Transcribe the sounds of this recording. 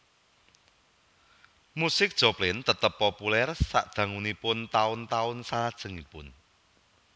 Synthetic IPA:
musɪk̚d̥ʒ̥oplɪnt̪ət̪əpːopulɛrsa̰ʔdd̪̥ä̤ŋunipʊnt̪aʊnt̪aʊnsalad̥ʒ̥ə̤ŋipʊn

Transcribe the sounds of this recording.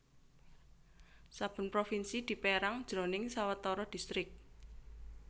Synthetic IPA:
sab̥ʊ̤npɾofinsid̪̥i̤peɾaŋd̥ʒ̥ɾo̤nɪŋsawət̪ɔɾɔd̪̥i̤st̪ɾɪk̚

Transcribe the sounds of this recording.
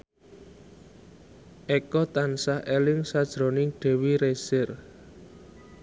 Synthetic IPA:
ʔɛkɔt̪ansahelɪŋsad̥ʒ̥ɾo̤nɪŋɖ̥e̤wiɾesɪr

